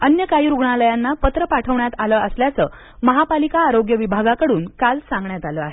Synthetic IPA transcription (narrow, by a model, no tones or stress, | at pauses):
ənjəkajiɾuɡɳaləjanːapət̪ɾəpaʈʰəʋɳjat̪aləːəsljat͡səː | məɦapalikaːɾoɡjəʋibʱaɡakəɽuːnkalsãŋɡɳjat̪aləːaɦe